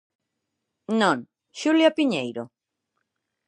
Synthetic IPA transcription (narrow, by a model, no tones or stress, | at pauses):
nõŋ | ʃuljapiɲejɾo